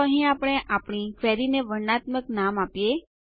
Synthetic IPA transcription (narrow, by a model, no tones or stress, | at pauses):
əɦĩapɽ̃eʔapɽ̃ifʰɛɾineʋəɾnat̪məknamapje